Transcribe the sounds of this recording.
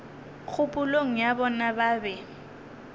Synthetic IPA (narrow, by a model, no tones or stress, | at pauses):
k͡xʰʊpʼʊloŋ̩jabɔnabaːbɛ